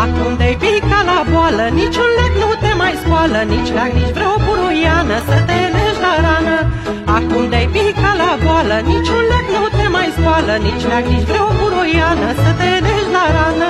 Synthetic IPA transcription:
akumd̪ejpikalabwalənit͡ʃunleknut̪emajskwalənit͡ʃlaɡnit͡ʃbɾewpuɾojanəsət̪eleʒlaɾanə | akumd̪ejpikalabwalənit͡ʃunleknut̪emajskwalənit͡ʃlaɡnit͡ʃbɾəwpuɾojanəsət̪elezlaɾanə

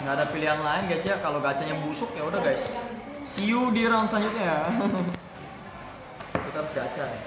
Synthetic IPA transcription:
ŋɡaːdapiliɦanlaɪnɡajsjakaloɡat͡ʃaɲjabusʊk̚jaudaɡajs | siudiɾawansəlaɲd͡ʒʊt̪̚ɲa | kit̪aɾʊsɡat͡ʃarja

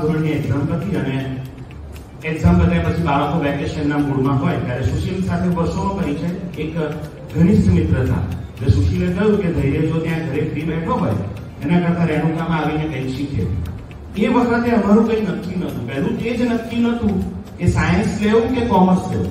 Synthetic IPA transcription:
d̪ʱunniɛkzamk̪ət̪ʰiəne | ɛɡzampəlt̪jãpət͡ʃʰibaɭəkoʋɛkeʃənːakuɽmãɦɔjt̪jaɾesuʃəlsat̪ʰeʋəɾsonõpəɾit͡ʃʰəjek | ɡʱəɽ̃ismit̪ɾət̪ʰa̰ | d͡ʒesuʃilekəjũked̪ʱəiɾed͡ʒot̪jãɡʱəɾefɾibɛʈʰoɦɔ̰j | enakəɾt̪ʰãɾɛɽũkamaʋinekə̃ʃit̪ʰḛṵ̃ | eʋəɾsat̪ʰeɦəmaɾũkəĩnəkʰːjĩnət̪ũpɛɦlũt̪ed͡ʒnəkʰːjĩnət̪ũkesajənsleʋũkekɔməɾslḛʋṵ̃

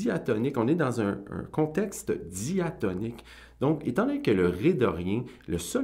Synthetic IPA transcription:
iat̪ɔnɪkɔ̃ned̪ɑ̃zœ̰̃kɔ̃t̪ɛkst̪d̪iat̪ɔnɪk | d̪̥ɔ̃ket̪ɑ̃lɛ̃kələʁed̪ɔʁjɛ̃ləsœ

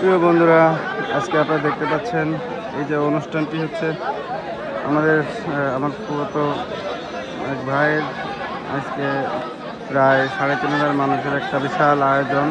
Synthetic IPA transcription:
pɾiobond̪ʱuɾaa̰d͡ʑkeapnaɾad̪ek̚ʰt̪epatːɕʰen | ejd͡ʑeonuʃʈʰanʈiɦotːɕʰe | a̰mad̪eɾamaɾpubot̪o | ekbʱajeɾ | a̰ske | pɾaeʃaɽek̪inoɾaɾmanuʃeɾɛk̚ʈabiʃalajod͡ʑon

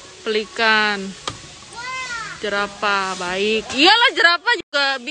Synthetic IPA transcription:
pəlikan | d͡ʒəɾapabaɪkijalahd͡ʒəɾapad͡ʒuɡabi

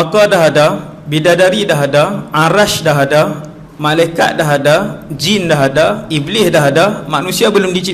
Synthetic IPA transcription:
akadaɦada | bidadaɾidaɦadaʔaɾaʃdaɦada | malajka̰t̪̚daɦadad͡ʒindaɦadaiblɪsdaɦadamanũsiabəlʊmdit͡ʃi

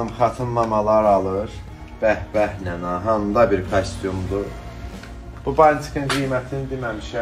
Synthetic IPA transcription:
ɯmχɑt̪ʰɯnmɑmɑlˠɑɾɑlˠɯɾ | b̥æhbæhnænɑɦɑnd̪ɑbiɾkʰesʲt̪ijumd̪u | b̥ubɑlʲt̪ʰi̥kɯŋɡijmæt̪ʰinid̪imæmiʃæ

